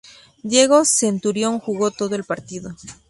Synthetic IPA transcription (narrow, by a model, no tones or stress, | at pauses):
d̪je̞ɣo̞se̞nt̪uɾjo̞ŋxuɣo̞t̪o̞ðoe̞lpaɾt̪iðo̞